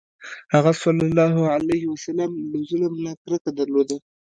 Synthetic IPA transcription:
haɣasɑlːɑlɑɦʊʕalajhwasalamləzʊləmnakɾəkad̪aɾlod̪a

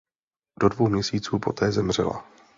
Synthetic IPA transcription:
d̥o̞dvo̞wmɲɛsiːt͡suːpo̞t̪ʰɛːzɛmr̝ɛ̰la̰

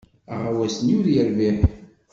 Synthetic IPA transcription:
a̰ʁawæsənjʊɾjəɾviħ

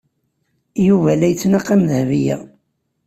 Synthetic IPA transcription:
juvælæjt͡sːnaqːæmðəhvijæ̰

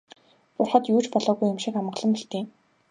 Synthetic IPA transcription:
pʊrχə̆t̪juːt͡ɕpɔɮɔːɣujːʊmʃikamə̆qɮə̆mpiɬt̪eː

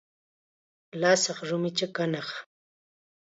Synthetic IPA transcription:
laːsɑχʐʊmɪt͡ʃakanɑχ

